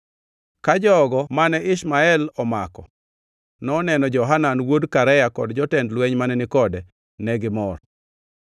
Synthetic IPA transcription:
kad͡ʒɔɡɔmanɛʔɪʃmaɛlɔmakɔ̰ | nɔnɛnɔd͡ʒɔɦananwodkaɾɛjakɔdd͡ʒɔtɛndlwɛɲmanɛnɪkɔdɛ | nɛɡɪmɔr

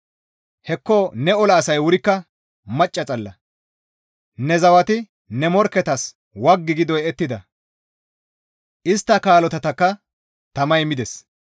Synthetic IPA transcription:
hɛkːɔnɛɔlɐːsɐjwʊɾɪkːɐ | mɐt͡ʃʼːɐt͡sʼɐlːɐ | nɛzɐwɐt̪ɪ | nɛmɔɾkːɛt̪ɐs | wɐɡːɪɡɪd̪ɔjɛt̪ːɪd̪ɐ | ʔɪst̪ːɐkaːlɔt̪ɐt̪ɐkːɐ | t̪ɐmɐjmɪd̪ɛs

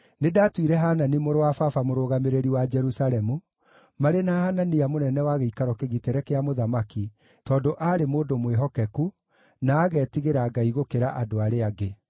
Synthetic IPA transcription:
nedatwiɾɛɦaːnanimoɾowafafamoɾoɣameɾeɾiwad͡ʒɛɾusalɛmu | maɾenahananijamonɛnɛwaɣeikaɾɔkeɣiteɾɛkeamoðamaki | tɔːndoʔaɾemoːdomweɦɔkɛku | naːɣɛːtiɣeɾaɡaiɣokeɾaʔadoaɾeaɡe

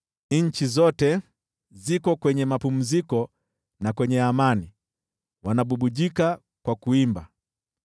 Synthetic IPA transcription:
ɲ̩t͡ʃizɔtɛ | zikɔkwɛɲɛmapum̩zikɔ | nakwɛɲɛamani | wanaɓuɓuʄika | kwakuimba

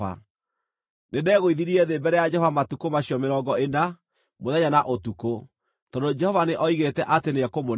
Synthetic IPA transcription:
a̰ | nedɛːɣoiðiɾiɛðeːmbɛɾɛjad͡ʒɛhɔvamatukomaɕiɔmeɾɔːɡɔena | moðɛɲanaʔotuko | tɔdod͡ʒɛhɔvaneʔɔiɣetɛʔateneakomo

